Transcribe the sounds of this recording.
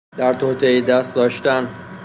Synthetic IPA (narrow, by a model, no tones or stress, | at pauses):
d̪̥æɾt̪ʰoːt̪ʰeid̪æst̪̚d̪ɒːʃt̪æn